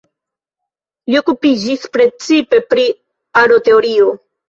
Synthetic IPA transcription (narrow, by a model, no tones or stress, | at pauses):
lio̞kupid͡ʒispɾe̞t͡sipe̞pɾi | aɾo̞t̪e̞oɾio